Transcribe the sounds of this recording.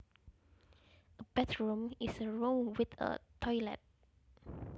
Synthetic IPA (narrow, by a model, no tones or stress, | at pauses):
əbɛtɹũmisəɹõŋwit̪ə̰tʰɔjlɛ̰t̚